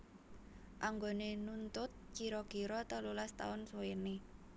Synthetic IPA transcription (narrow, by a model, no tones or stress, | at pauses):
ʔaŋɡonenunt̪ʊt̪̚kiɾɔkiɾɔt̪əlulast̪a̰ʊnswwene